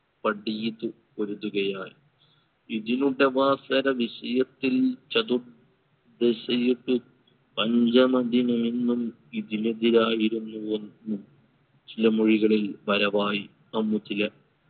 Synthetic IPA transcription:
pɐɽijit̪ːu | koɾuðuɣɐjaːj | iðinuɽe̞ʋaːsɐɾɐʋiɕɐjɐt̪ːilt͡ɕɐd̪ur | d̪eɕɐjiʈːu | pɐɲd͡ʑɐmɐd̪ʱinɐminːum | iðineðiɾaːjiɾunːue̞nːum | t͡ɕilɐmuɻiɣɐɭilʋɐɾɐʋaːji | ɐmːut̪ilɐ

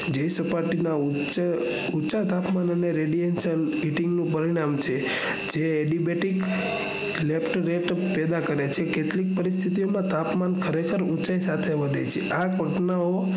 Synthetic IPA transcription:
d͡ʒəjsəpaɾʈinau | t͡ʃ | ut͡ʃat̪apmanəneɾeɖienʃən | iʈiŋɡnũpəɾiɽ̃amt͡ʃʰe | d͡ʒeːɖibeʈik | lepʈɾeʈ | pɛd̪akəɾet͡ʃʰeket̪lik̚pəɾist̪ʰit̪iomãt̪apmankʰəɾekʰəɾũt͡ʃaisat̪ʰeʋəd̪ejt͡ʃʰeʔakəʈnao

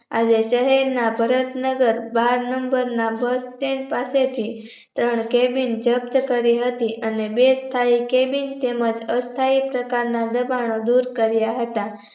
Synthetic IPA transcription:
a̰d͡ʑeʃəɦɛɾnabʱəɾət̪nəɡəɾbaɾnəmbəɾnabəsʈeɳpaset̪ʰi | t̪ɾəɳkebind͡ʒəb̚t̪əkəɾiɦət̪iʔənebest̪ʰaikebint̪eməd͡ʒəst̪ʰaipɾəkaɾnad̪əbaɽ̃od̪uɾkəɾjaɦət̪a

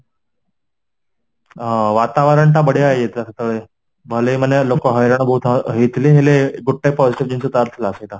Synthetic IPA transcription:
ʋat̪aʋəɾəɳʈabəɽeaejet̪lasat̪əʋe | bʱəleimənːelokəɦəjɾəɳ̃bʱəɦut̪ʰɦet̪leɦeleɡuɖ̚ʈepɔd͡ziʈiʋd͡ʑinsət̪aɾt̪ʰlasəjt̪a

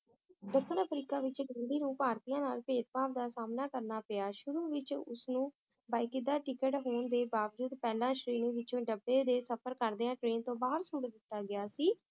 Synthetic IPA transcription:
d̪əkʰːənəpʰɾiːkaːʋɪt͡ʃɡəɳɖiːnũːpaːɾt̪ijãːnaːlpeːt̪̚paːpd̪aːsaːmnaːkəɾnaːpɪaːʃʊɾuːʋɪt͡ʃʊ̰snũː | baːɪkɪd̪aːʈɪkəʈɦoːɳd̪eːbaːʋd͡ʒuːd̪pɛːlãːʃɾiːnĩːʋɪt͡ʃõːɖəbːeːd̪eːsəpʰəɾkəɾd̪eːãːʈɾeːnt̪õːbaːɦəɾsʊmɡəd̪ɪt̪ːaːɡɪaːsiː

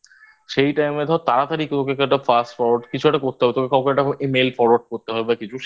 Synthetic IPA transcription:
ʃejʈajmed̪ʱat̪aɾat̪aɾikt̪okekɛʈafasʈfɔɾaɖkit͡ɕʰuaʈakoɾt̪eɦɔbet̪okekʰɔkɾɛkʈaemelfɔɾwaɖ̚koɾt̪eɦɔebakit͡ɕʰuʃ

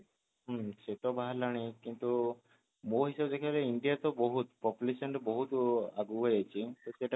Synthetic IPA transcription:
ɦset̪ɔbaɦalaɽ̃ikint̪u | moɦisɔbɔd̪ekʰibaleiɳɖijat̪ɔbɔɦut̪pɔpjulesɔnʈɔbɔɦut̪aɡuɦojat͡ʃʰit̪oseʈa

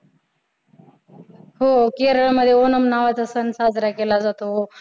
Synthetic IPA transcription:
ɦokeɾəɭməd̪ʱːjeonəmnaʋat͡sasənsad͡zɾakelad͡zat̪oɦo

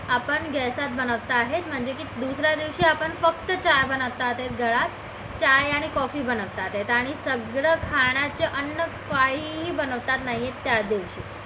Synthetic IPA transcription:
apəɳɡɛsat̪̚bənəʋt̪aːɦet̪m̤əɳd͡zekid̪usɾad̪iʋɕiːapəɳfək̚t̪ət͡ɕajbənəʋt̪at̪ɦet̪̚ɡəɭat̪ | t͡ɕajaɽ̃ikɔfiːbənəʋt̪at̪ɦet̪aɽ̃isəɡɾəkʰaɳ̃jat͡ɕeʔənːəkaɦiɦibənəʋt̪at̪naɦijet̪ːjad̪iʋɕḭː

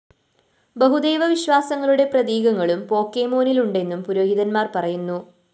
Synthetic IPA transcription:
bɐɦud̪e̞ːʋɐʋiɕʋaːsɐŋːɐɭuɽe̞prɐðiːɡɐŋːɐɭumpo̞ːkːeːmo̞ːniluɳɖe̞nːumpuɾo̞ːɦiðɐnmaːrpɐrɐjunːu

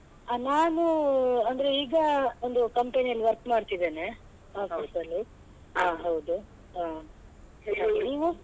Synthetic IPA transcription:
anaːnuɐnd̪ɐɾeiːɡɐond̪ukɐmpeːniɐlːiʋɐɾkmaːɽt̪id̪e̞ːne̞ | aːfisɐlːi | aːɦɐwd̪u | ɦaː | niːʋu

